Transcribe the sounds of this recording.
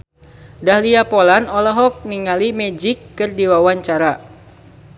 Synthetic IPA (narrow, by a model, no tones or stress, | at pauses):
dahliapɔlanɔlɔɦɔk̚niŋalimɛd͡ʒikːɨrdiwawaɲt͡ʃaɾa